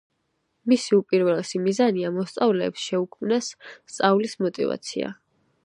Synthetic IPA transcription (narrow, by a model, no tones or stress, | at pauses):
misiupʼiɾvɛlˠsimizaniamɔst̪sʼavlɛːpsʃɛukʰmnasːt̪sʼavlismɔt̪ʼḭva̰t̪sʰḭa̰